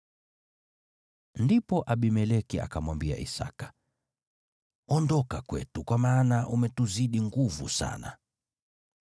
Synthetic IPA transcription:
ndipɔʔaɓimɛlɛkia̰kamwambia̰ʔḭsa̰kḁ | ɔndɔkakwɛ̰tukwamaːnaʔumɛtuziɗiŋɡuvṵsa̰na̰

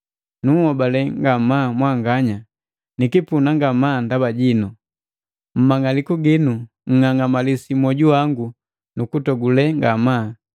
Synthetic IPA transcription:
nuŋhɔbalɛŋɡamamwaŋɡaɲa | nikipunaŋɡamaːndabaɟinu | m̩maŋalikuɡinu | ŋ̩ŋaŋamalisimɔɟuwaŋɡu | nukutɔɡulɛŋɡamaː

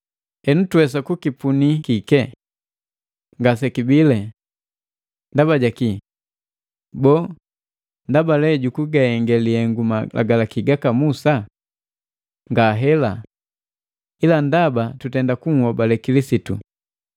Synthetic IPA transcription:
ɛnutuɛs̬akukipunikikɛ | ŋɡasɛkibilɛ | ndabaɟaki | bɔː | ndabalɛɟukuɡahɛŋɡɛliɛŋɡumalʔa̰ɡalakiɡakamusa | ŋɡaɦɛla | ilandabatutɛndakuŋ̩wɔbalɛkilisitṵ

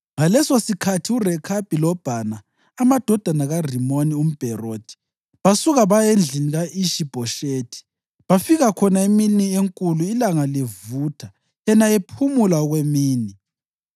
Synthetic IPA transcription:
ŋalɛsosikʰatʰiurɛkʰab̥ʱilɔb̥ʱanaː | mad̥ʱɔd̥ʱanaɣarimonium̩b̥ʱɛrod̥ʰʱi̥ | βasuɣaβajend͡ɮʱiniɣaʔiʃib̥ʱɔʃeːtʰi̥ | βafiɣakʰɔnaeminieŋkʼuluilaŋalevutʰa | jɛnaepʰumulaɔɣwemiːni

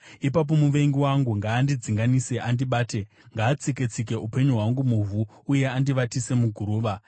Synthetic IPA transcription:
ipap̬o̞muʋe̞ŋɡiwaŋɡuŋɡaːndid͡ziŋɡanise̞ʔandiɓaːte̞ | ŋɡaːt͡siket͡sike̞ʔupe̞ɲuɦwaŋɡumuvuː | je̞andiʋatise̞muɡʱuɾuːʋa

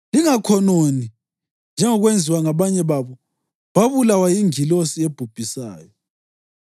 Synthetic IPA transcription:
liŋakʰɔnoni | nd͡ʒʱɛŋɔɣwend͡zʱiwaŋaβaɲɛβaβɔ | βaβulawajiŋilosieb̥ʱub̥ʱisa̰ːjɔ

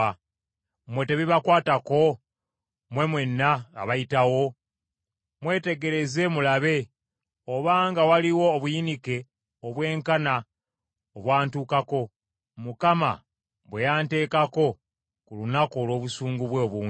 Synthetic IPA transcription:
mwe̞te̞βiβakwaːtako̞ | mwe̞mwe̞nːaa̰βajitawo̞ | mwe̞ːte̞ɡe̞ɾe̞ze̞mulaβe̞ | oβaːŋɡawaliwo̞ːβujinike̞ | oβwe̞ːŋkana | oβwaːntuːkako̞ | mukama̰ | βwejaːnte̞ːkako̞ | kulunako̞ːlo̞ːβusuːŋɡuβwe̞ːβuː

